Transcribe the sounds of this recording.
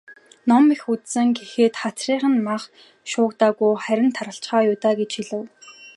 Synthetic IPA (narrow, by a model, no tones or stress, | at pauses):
nɔmixut̪sɘ̆ŋɡexeːt̪χat͡sriːχə̆nmaχ | ʃʊːkt̪aːɣujχæɾʲɪ̆nt̪ʰaɾə̆ɬt͡ɕχaːjʊːt̪aːɡet͡ɕxiɮɘ̆w